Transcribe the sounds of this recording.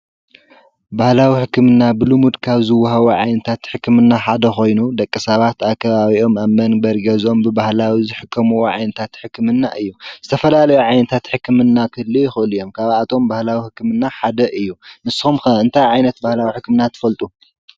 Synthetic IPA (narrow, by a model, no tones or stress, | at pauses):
bahlawiħɨkːɨmɨnːabɨlɨmud̪kʰaβzɨwːɐɦɐβuʕajnɐt̪ʰat̪ħɨkːɨmɨnːaħad̪ɐxo̞jnud̪ɐkʼːɨsɐβat̪akʰːɐβaβiʔo̞maβmɐnbɐɾiɡɐzo̞mbɨbahlawizɨħɨkʰːɐmuwoʕajnɐt̪ʰat̪ħɨkːɨmɨnːaʔɨjːuz̥ɨt̪ʰɐfɐlalɐjuʕajnɐt̪ʰat̪ħɨkʰːɨmɨnːakʰɨɨlːɨjɪxɨʔɨlijo̞mkʰaβat̪ʰo̞mbahlawiħɨkːɨmɨnːaħad̪ɐʔɨjːunɨsxumxɐɨnt̪ʰajʕajnɐt̪̚bahlawiħɨkːɨmɨnːat̪ʰɨ̥fɐlt̪ʼu